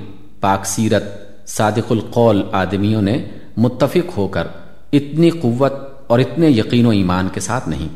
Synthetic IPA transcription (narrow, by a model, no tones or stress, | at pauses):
paːksiːɾət̪̚ | saːd̪ɪqʊlqɔːlaːd̪mijõnẽ | mʊt̪ːəfɪqɦoːkɐɾ | ɪt̪niqʊʋːət̪̚ | ɔːɾɪt̪nejɐqiːnõiːmaːnkesaːt̪ʰnɐ̰ɦĩː